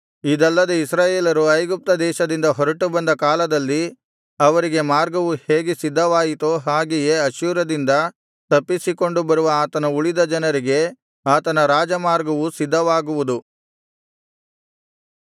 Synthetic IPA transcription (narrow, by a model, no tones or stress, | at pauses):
id̪ɐlːɐd̪eisɾaːjeːlɐɾuɐjɡup̚t̪ɐd̪ɛːʃɐd̪ind̪ɐɦɔɾɐʈubɐnd̪ɐkaːlɐd̪ɐlːi | ɐʋɐɾiɡe̞maːɾɡɐʋuhe̞ːɡesid̪ʱːɐʋaːjit̪oɦaːɡeje̞ɐʃuːɾɐd̪ind̪ɐ | t̪ɐpːisiko̞ɳɖubɐɾuʋɐaːt̪ɐnɐuɭid̪ɐd͡ʒɐnɐɾiɡe̞ | aːt̪ɐnɐɾaːd͡ʒɐmaːɾɡɐʋusid̪ʱːɐʋaːɡuʋud̪u